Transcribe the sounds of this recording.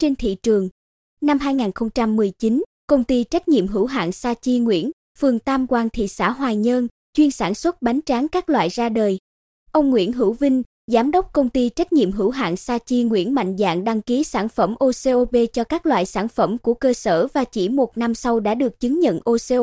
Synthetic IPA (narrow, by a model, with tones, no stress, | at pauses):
t͡ɕe˧nt̪ʰḭ˧˨t͡ɕɨ˨˩əŋ | na˧mɦaː˧jŋaː˨˩nxə˧wŋ͡mt͡ɕa˧mːɨ˨˩əjt͡ɕi˨˦n | kə˧wŋ͡mt̪i˧t͡ɕa˦˥jk̟̚ɲḭ˧˨əmɦɨ̰˧˩wɦa̰ː˧˨nsaː˧t͡ɕi˧ŋwḭ˧˥ən | fɨ˨˩əŋt̪aː˧mkwaː˧˩ŋt̪ʰḭ˧˨sa̰ː˧˥˩ɦwaː˨˩ɲəː˧n | t͡ɕwi˧ənsaː˧˩nswə˦˥t̚ɓa˨˦jŋt͡ɕaː˨˦ŋkaː˦˥k̚lwa̰ː˧˨jzaː˧ɗəː˨˩j | ʔə˧wŋ͡mŋwḭ˧˥ənɦɨ̰˧˩wvï˧ŋ̟ | zaː˨˦mɗə˦˥k͡p̚kə˧wŋ͡mt̪i˧t͡ɕa˦˥jk̟̚ɲḭ˧˨əmɦɨ̰˧˩wɦa̰ː˧˨nsaː˧t͡ɕi˧ŋwḭ˧˥ənma̰˧˨jŋ̟za̰ː˧˨ŋɗa˧ŋki˨˦saː˧˩nfə˧˩mʔo˧se˧ʔo˧ɓe˧t͡ɕɔ˧kaː˦˥k̚lwa̰ː˧˨jsaː˧˩nfə˧˩mku˧˩əkəː˧səː˧˩vaː˨˩t͡ɕi˧˩mo˨˩t̚na˧msa˧wɗa̰ː˧˥ɗɨ˨˩ək̚t͡ɕɨ˨˦ŋɲə̰˧˨nʔo˧se˧